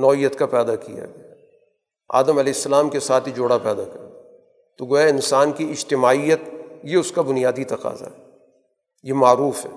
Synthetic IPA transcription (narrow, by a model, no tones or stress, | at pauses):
nɔːijːət̪kapɛːd̪akija̰ɡɐjaː | a̰ːd̪əmɐlɛːɪsːɐlaːmkesaːt̪ʰid͡ʒoːɽapɛːd̪akɐɾɡ | t̪oɡoːjaɪnsaːnkiɪd͡ʒt̪ɪmaːijət̪jeʊskabʊnijaːd̪it̪ɐqa̰ːza̰ɦɛ | jemaːɾuːfɦɛ̰ː